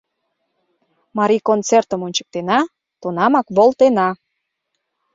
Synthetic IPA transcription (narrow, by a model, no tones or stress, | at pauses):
mɑɾikont͡sert̪əmonʲt͡ɕə̥k̚t̪enɑ | t̪unɑmɑkβolˠt̪enɑ